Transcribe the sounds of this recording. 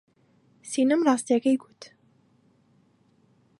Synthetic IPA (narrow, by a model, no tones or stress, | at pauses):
sinəmrˤɑːst̪jakɐjɡut̪